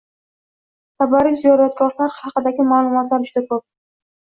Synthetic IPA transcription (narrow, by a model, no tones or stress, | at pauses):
t̪ʰabaɾijzijɒɾat̪̚ɡɒɾlaɾhɑqɨd̪aɡʲɪmalˠʊmɒt̪laɾʊʃd̪akʰop̚